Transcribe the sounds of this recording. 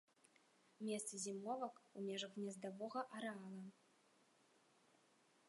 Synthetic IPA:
mʲest̪sɨzʲimɔvɐkumʲɛʐɐɣnʲɛzd̪avɔɣɐʔɐɾɛɑlˠɐ

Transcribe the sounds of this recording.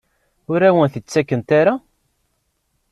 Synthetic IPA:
ʊɾæwənθət͡sːækːənt̪aɾa

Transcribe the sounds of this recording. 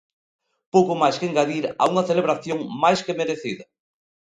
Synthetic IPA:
powkomajskeŋɡaðiɾa̰uŋɐθeleβɾaθjoŋmajskemeɾeθiðɐ

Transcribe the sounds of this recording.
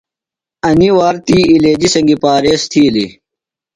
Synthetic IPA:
ɐniwaːɾt̪iːleːd͡ʑisɐŋɡipaːɾeːst̪ʰiːli

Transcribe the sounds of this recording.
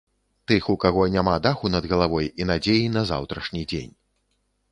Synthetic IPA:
t̪ɨxukaɣɔnʲamad̪axunɐd̪ɣɐlˠavɔjinad͡zʲejinɐza̰wt̪ɾɐʂnʲid͡zʲḛnʲ

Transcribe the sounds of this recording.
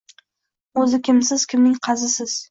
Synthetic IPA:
ɵzɪkʲʰɪmsɪz̥kʲʰɪmnɪŋqʰɑzɪsɪz̥

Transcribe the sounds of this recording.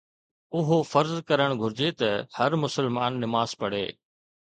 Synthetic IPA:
ʊɦofɐɾzkɐɾəɽ̃ɡʱʊɾd͡ʑet̪ɐhɐɾmʊsəlmaːnːɪmaːzpɐɽ̤ḛː

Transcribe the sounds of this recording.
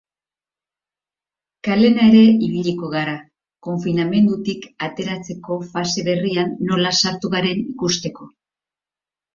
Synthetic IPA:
kale̞nae̞ɾe̞iβ̞iʎiko̞ɣaɾa | ko̞ɱfiname̞nd̪ut̪ikat̪e̞ɾat͡se̞ko̞fase̞βe̞rianːo̞lasaɾt̪uɣaɾe̞nikust̪e̞ko̞

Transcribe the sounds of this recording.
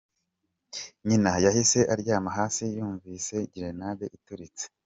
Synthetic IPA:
ɲinajahise̞ʔaɾɟaːmaɦaːsijuːɱviːse̞ɟiɾe̞naβeʔituɾit͡se̥

